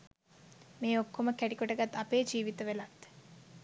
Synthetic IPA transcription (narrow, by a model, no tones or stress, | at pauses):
meːokːoməkæʈikoʈəɡat̪ːɐpeːd͡ʒiːʋit̪əʋelat̪ː